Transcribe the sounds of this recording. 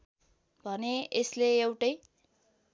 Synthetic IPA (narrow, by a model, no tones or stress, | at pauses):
bʱʌneesleewʈʌj